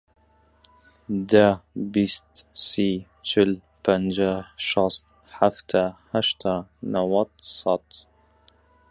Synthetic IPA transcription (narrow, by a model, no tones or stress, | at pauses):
d̪abist̪si | t͡ʃɪl | pand͡ʒaʃɑst̪ | ħaft̪ʰaħaʃt̪ʰanawɑt̪sɑt̪